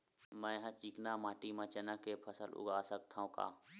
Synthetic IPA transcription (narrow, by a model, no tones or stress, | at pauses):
mɛ̃ːɦə̃t͡ʃiːknamaːʈimãt͡ʃənəkːepʰəsəlʔʊ̰ɡʱaːsək̚t̪ʰaõka̰ː